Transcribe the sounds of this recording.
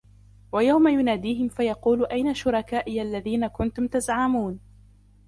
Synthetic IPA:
wajawmajʊnaːd̪iːɦɪmfajɑquːlʔajnaʃʊɾˤɑkaːʔɪjʔalːaðiːnakʊnt̪ʊmt̪azʕamuːn

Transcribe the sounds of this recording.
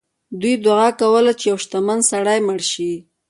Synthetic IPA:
d̪ujd̪waɣɑkawəlat͡ʃejawʃt̪amansaɽajməɽʃi

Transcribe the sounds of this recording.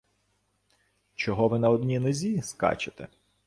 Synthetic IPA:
t͡ʃɔɦɔʋɪnɐɔd̪ʲnʲinʊzʲiskɑ̰t͡ʃɪt̪ɛ̰

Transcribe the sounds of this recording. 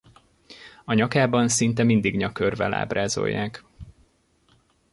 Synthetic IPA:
ɒɲɒkaːbɒnsint̪ɛmind̪iɡɲɒkørvɛ̰la̰ːbraːzo̞̰jːaːk

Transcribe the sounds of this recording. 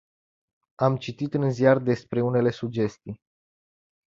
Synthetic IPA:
amt͡ʃit̪it̪ɨnziard̪e̞spɾe̞une̞le̞sud͡ʒe̞st̪ij

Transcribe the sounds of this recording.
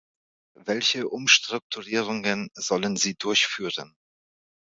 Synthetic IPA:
vɛlçəʔʊmʃtʁ̥ʊk̚tʰuʁiːʁʊŋənz̥ɔlənziːdʊɐçfyːʁən

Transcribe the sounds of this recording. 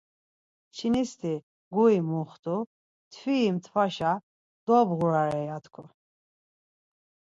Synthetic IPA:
t͡ʃʰinist̪ʰi | ɡuimuχt̪ʰu | t̪ʰviːmt̪ʰvaʃa | d̪̥ɔbɣuɾaɾɛjat̪ʰkʰu

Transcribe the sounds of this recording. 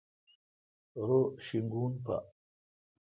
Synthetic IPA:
ɾoʃiŋɡunpa̰ʔ

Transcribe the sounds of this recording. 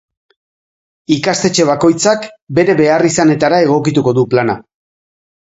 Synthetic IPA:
ikast̪e̞t͡ʃe̞β̞ako̞jt͡sakbe̞ɾe̞βe̞arisane̞t̪aɾae̞ɣ̞o̞kit̪uko̞ðuplana̰

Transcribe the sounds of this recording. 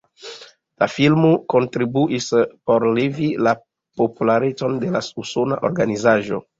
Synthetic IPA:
lafilmuko̞ntɾibuʔispo̞ɾlevila | populaɾet͡so̞nde̞lasuso̞na̰ʔo̞̰ɾɡanizaʒo̞̰

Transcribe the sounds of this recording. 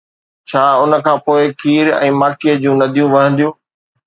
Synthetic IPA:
t͡ɕʰaːʊnə̆kʰãːpoːɪkʰiːɾɛ̰̃ːmaːkiəd͡ʑũːnɐd̪ʱijũʋɐɦə̃nd̪ijũː

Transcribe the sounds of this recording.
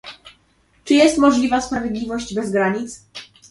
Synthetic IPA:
t͡ʂɘjɛst̪mɔʐlʲivaspɾavʲjed̪lʲivɔʑd͡ʑbɛzɡɾaɲit̪s

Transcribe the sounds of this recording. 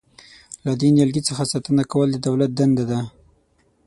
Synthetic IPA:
lad̪injalɡit͡səxasat̪ənakawəld̪əd̪awlat̪̚d̪and̪ad̪a

